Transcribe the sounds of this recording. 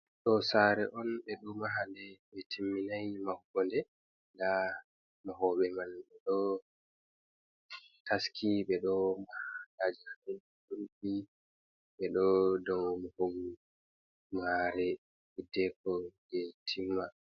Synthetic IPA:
ɗɔsaɾɛʔɔnɓɛɗumaɦandɛɓɛtʰimːinajmahuɡɔndɛ | da | mɔɦɔɓɛmalɓɛɗɔ | tʰaskʰiɓɛɗɔmahalad͡ʒihamɛn | duɾbi | ɓɛɗɔdɔmɔhoɡu | maɾɛ | hidɛkɔɡɛtʰimːa

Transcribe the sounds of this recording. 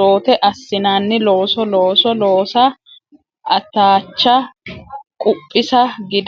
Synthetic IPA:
o̞ːt̪ɛʔɐsːɪnaːnːɪlo̞ːsɔloːsɔlo̞ːsɐ | ʔɐt̪ːaːt͡ʃːɐ | kʼʊpʼːɪsɐɡɪd̪

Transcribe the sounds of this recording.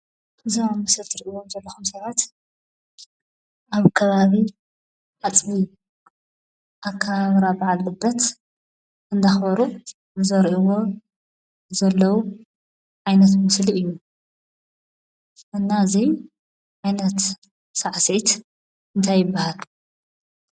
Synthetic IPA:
ɨzamamɨsɐlt̪ʰɨɾʔiwomzɐlːɐxumsɐβat̪ | ʔaβkʰɐβaβi | ʕat͡sʼβi | ʔakʰːaβaβɾabaʕalːɨbːɐt̪ | ʔɨnd̪axβɐɾu | zɐɾʔiwo̞ | zɐlːɐwu | ʕajnɐt̪mɨsliɨjːu | ʔɨnːaɨzij | ʕajnɐt̪ | saʕsit̪ | ʔɨnt̪ʰajːɪbːahal

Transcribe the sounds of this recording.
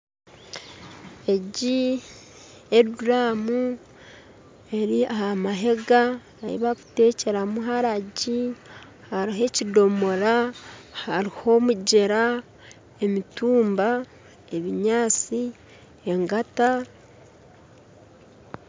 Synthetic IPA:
e̞ɟi | eduɾamu | e̞ɾiahamaɦe̞ɡa | aḭβaku̥te̞ːce̞ɾamuɦaɾaɟi | haɾiɦe̞cido̞mo̞ɾahaɾiho̞muɟeɾa | e̞mituːmba | e̞βiɲaːt͡si | e̞ŋɡata

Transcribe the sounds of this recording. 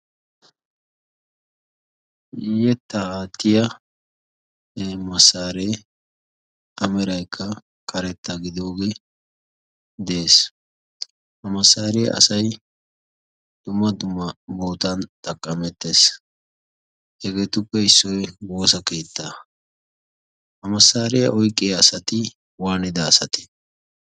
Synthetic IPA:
ɪjɛt̪ːɐaːt̪ːɪjɐ | mɐsːaːɾeː | ʔɐmɛɾɐjkʰːɐ | kʰɐɾɛt̪ːaɡɪd̪o̞ːɡe | d̪ɛeːs | hɐmɐsːaːɾeʔɐ̰sɐj | d̪̥ʊmːɐd̪ʊmːɐbo̞ːt̪ɐnt̪ʼɐkʼːɐmɛt̪ːeːs | hɛɡeːt̪ʊpːɛɪsːɔjwo̞ːsɐke̞ːt̪ːa | hɐmɐsːaːɾɛjɐʔɔjkʼːejɐsɐt̪ɪ | waːnɪd̪ɐːsɐt̪ɪ̥

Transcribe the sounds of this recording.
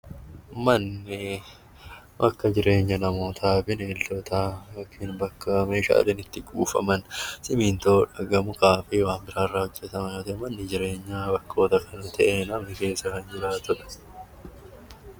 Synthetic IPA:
mɐnːɪ | bɐkːɐd͡ʒɪɾʔe̞ːɲːɐnɐmo̞ːt̪ʰaːfɪneːlːɔt̪ʰaːjoːkʰːiːnbɐkːɐme̞ːʃa̰ːlɛnɪt̪ːɪɡʼuːfɐ̰mɐnsɪmiːnt̪o̞ːᶑɐɡɐmʊkaːfɪːwaːmbɪɾaːrːaːhɔd͡ʒːɛt̪ɐmɐnoːt̪ɐʔɛmɐnːɪd͡ʒɪɾe̞ːɲːaːbɐkːo̞ːt̪ɐkʰɐnɐt̪ʰɐʔenɐmɪke̞ːsɐkɐnd͡ʒɪɾaːt̪ʊᶑɐ̥

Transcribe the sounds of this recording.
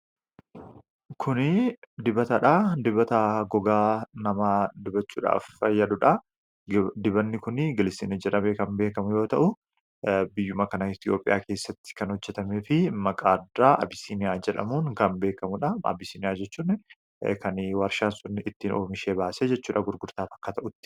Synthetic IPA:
kʰʊnɪd̪ɪbɐt̪ɐᶑad̪ɪbɐt̪ɐɡɔɡaːnɐmaːd̪ɪbɐt͡ʃːuːᶑa̰ːfɐjːɐᶑʊᶑɐ | d̪ɪbɐnːɪkʊnɪɡɪlɪsḭːnɐd͡ʒɛᶑɐmekɐnbe̞ːkɐmʊjo̞ːt̪ɐʔʊ | bɪjːʊmɐkɐnɐɪt̪ɪjo̞ːpʼɪjaːke̞ːsːɐt̪ːɪ̥kɐnhɔd͡ʒːɛt̪ɐmeːfɪmɐkʼaːdːaːʔɐ̰bɪsiːnɪjaːd͡ʒɛᶑɐ̰muːŋkɐnbe̞ːkɐmʊᶑɐɐ̰bɪsiːnɪjaːd͡ʒɛt͡ʃːuːnːɪ | kɐnwɐɾʃaːnsʊnːɪɪt̪ːiːnoːmɪʃeːbaːsed͡ʒɛt͡ʃːuːᶑɐɡʊɾɡʊɾt̪aːfɐ̥kːɐt̪ɐʔʊt̪ːɪ̥

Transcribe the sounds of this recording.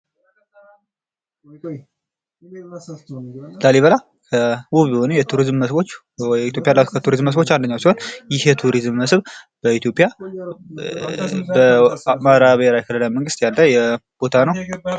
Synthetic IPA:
laliβəla | kʰəwuβihonujɛt̪ʰuɾizmːəsbo̞t͡ʃː | ɛit̪ʰjo̞pʼːijalːakʰət̪ʰuɾizmːəsbo̞t͡ʃːand̪əɲːawsiho̞njɪhjɛt̪ʰuɾizmːəsβ | b̥əit̪ʰjo̞pʼːija | bəmaɾaβlajkʰələlajməŋɡɨst̪jalːəjɛb̥o̞t̪ʰanəw

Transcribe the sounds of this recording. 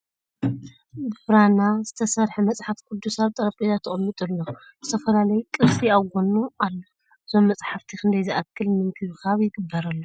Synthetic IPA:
bɨbɾanazɨt̪ʰɐsɐɾħemɐt͡sʼħafkʰud̪ːusaβt̪ʼɐɾɐkʼijat̪ʰːɨχʼɨmːɨt̪ʼɨlːo | z̥ɨt̪ʰɐfɐlalɐjukʼɨɾsiawɡʷo̞nualːo | ʔɨzo̞mːɐt͡sʼħaft̪ʰikʰɨnd̪ɐjzʔakʰːɨlmɨŋkʰɨβɨkʰaβjɪɡɨbːɐɾɐlːo

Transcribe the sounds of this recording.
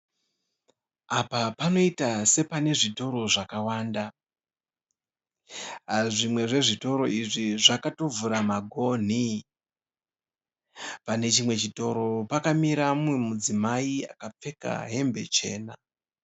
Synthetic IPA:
apapano̞itase̞pane̞ʐito̞ɾo̞ʐakawaːnda | ʐimwe̞ʐe̞ʐito̞ɾo̞iʐiʐakato̞vuɾamaɡʱo̞n̤i | pane̞t͡ʃimwe̞t͡ʃito̞ɾo̞pakamiɾamuemud͡zimaia̰kap͡fe̞ka̰ɦe̞mbe̞t͡ʃe̞̰ːna̰

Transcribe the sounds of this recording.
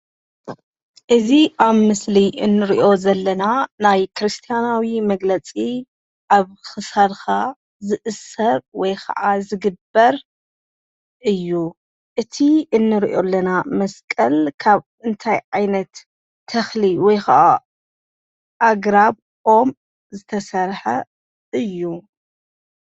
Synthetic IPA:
ʔɨziʔaβmɨsliʔɨnːɨɾiʔo̞zɐlːɐnanajkʰɾɨst̪ʰijanawimɐɡlɐt͡sʼi | ʔaβxɨsad̪xa | zɨʔɨsːɐɾwɔjkʰɐ̰ʔazɨɡɨbːɐɾ | ʔɨjːu | ʔɨt̪ʰiɨnːɨɾiʔo̞lːɐnamɐskʼɐlkʰaβ | ɨnt̪ʰajʕajnɐt̪ʰː | ɐxliwɔjkaʔa | ʔaɡɾaβ | ʔo̞m | zɨt̪ʰɐsɐɾħɐ̰ | ɨjːu

